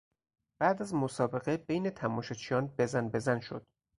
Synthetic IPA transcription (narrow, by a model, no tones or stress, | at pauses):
b̥æʔd̪æzmosɒːbe̞ɣe̞bejnet̪ʰæmɒːʃɒt͡ʃʰijɒːnbezænbe̞zænʃo̰d̪̥